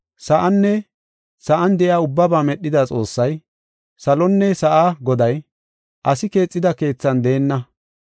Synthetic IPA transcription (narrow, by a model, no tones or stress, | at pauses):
sɐʔɐnːɛ | sɐʔɐnd̪ɛʔɪaːʊbːɐbaːmɛɗːɪd̪aːt͡sʼo̞ːsːɐj | sɐlɔnːɛsɐʔaːɡɔd̪ɐj | ʔɐsɪke̞ːt͡sʼːɪd̪ɐke̞ːt͡sːɐnd̪e̞ːnːɐ